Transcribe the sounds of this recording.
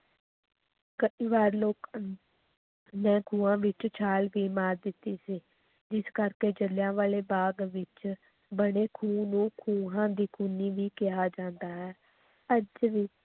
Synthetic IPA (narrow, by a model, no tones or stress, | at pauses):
kəʔiːʋaːɾloːk | nɛ̃ːkʰũːãːʋɪt͡ʃt͡ʃʰaːlʋiːmaːɾd̪ɪt̪ːiːsiː | d͡ʒɪskəɾkeːd͡ʒəljãːʋaːleːbaːɡʋɪt͡ʃ | bəɽeːkʰuːnũːkʰuːɦãːd̪iːkʰuːniːʋiːkɪaːd͡ʒãːnd̪aːɦɛː | əd͡ʒʋiː